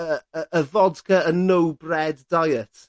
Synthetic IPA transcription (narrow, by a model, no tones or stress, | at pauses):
əəəvɔdkʰəənowbrɛdːajətʰ